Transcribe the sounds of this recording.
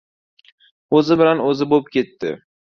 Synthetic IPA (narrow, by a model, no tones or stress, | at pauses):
ɵzɪbɪlanɵzɪbop̚kʲʰe̞t̪ːɪ̰